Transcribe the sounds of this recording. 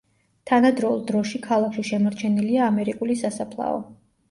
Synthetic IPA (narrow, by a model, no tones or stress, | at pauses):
t̪ʰanad̪ɾɔulˠd̪ɾɔʃikʰalˠakʰʃiʃɛmɔɾt͡ʃʰɛniliaːmɛɾikʼulisasapʰlˠa̰ɔ̰